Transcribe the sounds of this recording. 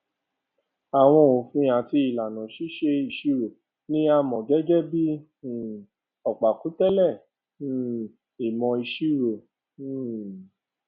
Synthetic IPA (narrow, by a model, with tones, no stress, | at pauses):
a˨w̃ɔ̃˧o˨fĩ˧a˨ti˧i˨la˨nã˨ʃi˨˦ʃe˧i˨ʃi˨˦ɾo˨ | nĩ˦a˧mɔ̃˨ɡɛ˦d͡ʒɛ˦bi˦˨ | ɔ˨k͡pa˨ku˨˦tɛ˦lɛ˦˨˦ | i˨mɔ̃˧i˧ʃi˦ɾo˨˦˨